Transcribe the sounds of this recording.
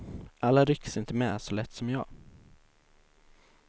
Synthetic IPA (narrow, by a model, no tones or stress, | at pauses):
ʔalːaɾʏkːsɪnt̪əmɛsɔlɛt̪ːsɔmjɑ̰ːɡ